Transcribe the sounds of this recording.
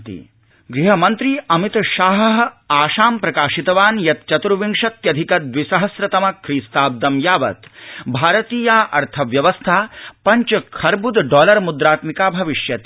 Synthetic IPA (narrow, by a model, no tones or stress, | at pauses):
t̪ḭ | ɡɾiɦɐmɐnt̪ɾiːɐmit̪ʃaːɦɐɦaːʃaːmpɾɐkaːʃit̪ɐʋaːnjɐt̪̚t͡ʃɐt̪ɾuʋiŋʂɐt̪jɐd̪ʱikɐd̪ʋisɐɦɐsɾɐt̪ɐmɐkʰɾiːst̪aːb̚d̪ɐmjaːʋɐ̰t̪bʱaːɾɐt̪iːjaːʔɐ̰ɾt̪ʰɐʋjɐʋɐst̪ʰaːpɐɲt͡ʃɐkʰɐɾbud̪ɖɔːlɐɾmud̪ɾaːt̪mikaːbʱɐʋiʃjɐt̪